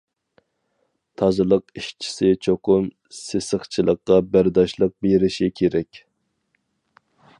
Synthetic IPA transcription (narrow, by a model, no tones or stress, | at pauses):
t̪ʰɑzɨlˠəqiʃt͡ʃʰi̥sɪt͡ʃʰoqʊm | sesəχt͡ʃʰilˠəqːɑbæɾd̪ɑʃlˠəq̚beɾɪʃikʲʰeɾɛkʲ